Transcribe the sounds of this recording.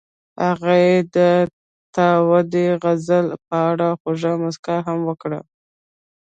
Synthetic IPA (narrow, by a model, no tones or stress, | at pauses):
haɣajed̪ə | t̪awad̪eɣazəlpəaɽaxoʒamʊskaɦamwəkɽə̰